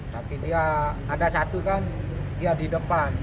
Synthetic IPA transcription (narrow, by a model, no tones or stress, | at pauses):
t̪apidiaː | dasat̪ukan | diadidəpan